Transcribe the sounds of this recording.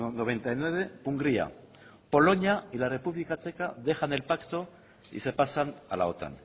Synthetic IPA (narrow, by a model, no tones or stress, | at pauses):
noβ̞e̞nt̪ajnwe̞β̞e̞puŋɡɾia̰ | po̞lo̞ɲailare̞puβlikat͡ʃe̞kaðe̞xane̞lpakt̪o̞ | ḭse̞pasana̰la̰o̞t̪a̰n